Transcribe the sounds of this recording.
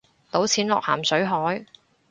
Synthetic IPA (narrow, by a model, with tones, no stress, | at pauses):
t̪o˨˥wt͡sʰiː˨˥nlɔː˨k̚ha̰ː˨˩msɵ˨˥ɥɦɔː˨˥j